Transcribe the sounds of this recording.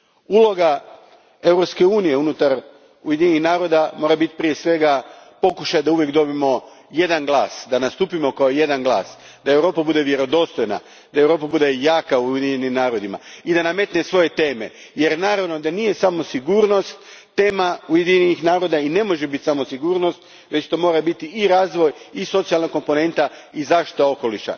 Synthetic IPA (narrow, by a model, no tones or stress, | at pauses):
ulˠo̞ɡa | e̞wɾo̞pske̞uːnije̞unut̪aɾ | uje̞d̪iɲenihnaːɾo̞d̪amo̞ːɾabit̪i̥pɾije̞sʋe̞ɡapo̞kuʃajd̪auʋje̞kd̪o̞bimo̞ | je̞d̪anɡlˠaːsd̪anast̪uːpimo̞kaoje̞d̪anɡlˠa̰ːs | d̪aewɾo̞ːpabud̪e̞ʋje̞ɾo̞d̪o̞st̪o̞jna̰ | d̪ae̞wɾo̞ːpabud̪ejaːkaujed̪iɲenimnaːɾo̞d̪ima̰id̪aname̞t̪nesʋo̞je̞t̪e̞ːme̞̰ | je̞ɾnaːɾaʋno̞d̪anije̞samo̞siɡuːɾno̞st̪ː | e̞ːmaujed̪iɲenixnaːɾo̞d̪aine̞mo̞ʒebit̪samo̞siɡuːɾno̞st̪ | ʋe̞t͡ɕt̪o̞mo̞ːɾabit̪iːɾaːzʋo̞jiso̞t̪sialnako̞mpo̞ne̞nt̪aizaːʃt̪i̥t̪ao̞ko̞liʃa̰